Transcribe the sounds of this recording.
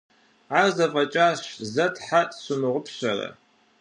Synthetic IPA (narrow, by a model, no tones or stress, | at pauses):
ʕazɐfʼɐt͡ʃʼaːɕzɐtʰħatʼsɨmɨʁʷʊpʰɕɐrɐ̰